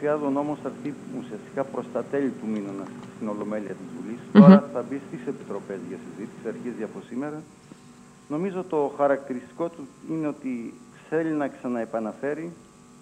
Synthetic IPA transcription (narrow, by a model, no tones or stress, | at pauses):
iɐðono̞mosɐɾθiusiɐst̪i̥kɐpɾo̞st̪ɐt̪elit̪uminonɐsst̪ino̞lo̞me̞liɐt̪izvulisi̥t̪oɐɾɐθɐbist̪ɾise̞pi̥t̪ɾo̞pe̞zʝɐsizit̪i̥siɐɾçiezɐpo̞sime̞ɾɐ | no̞mizot̪o̞xɐɾɐkt̪iɾist̪i̥ko̞t̪uineo̞t̪i | se̞linɐksɐnɐepɐnɐfe̞ɾi